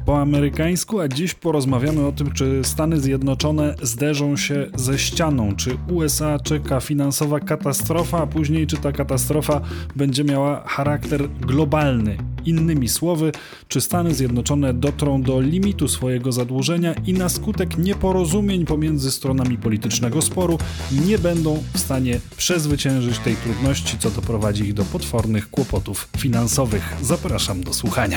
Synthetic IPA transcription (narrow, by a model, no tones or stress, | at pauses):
pɔamɛɾɘkaj̃skuad͡ʑiɕpɔɾɔzmavʲjamɘɔt̪ɘmt͡ʂɘst̪an̪ɘzʲjɛd̪nɔt͡ʂɔnɛzd̪ɛʐɔ̃w̃ɕɛzɛɕt͡ɕanɔ̃w̃t͡ʂɘuɛsat͡ʂɛkafʲinansɔvakat̪ast̪ɾɔfaːpuʑɲejt͡ʂɘt̪akat̪ast̪ɾɔfabɛɲd͡ʑɛmʲjawaxaɾakt̪ɛɾɡlɔbalnɘ̰inːɘmʲiswɔvɘ | t͡ʂɘst̪anɘzʲjɛd̪nɔt͡ʂɔnɛd̪ɔt̪ɾɔ̃w̃d̪ɔlʲimʲit̪usfɔjɛɡɔzad̪wuʐɛɲainaskut̪ɛkɲɛpɔɾɔzumʲjeɲpɔmʲjɛnd̪zɘst̪ɾɔnamʲipɔlʲit̪ɘt͡ʂnɛɡɔspɔɾu | ɲɛbɛnd̪ɔ̃w̃fst̪aɲɛpʂɛzvɘt͡ɕɛ̃w̃ʐɘt͡ɕt̪ɛjt̪ɾud̪nɔɕt͡ɕit̪sɔd̪ɔpɾɔvad͡ʑiiɣd̪ɔpɔt̪fɔɾnɘxkwɔpɔt̪ufːʲinansɔvɘxzapɾaʂamd̪ɔswuxaɲa̰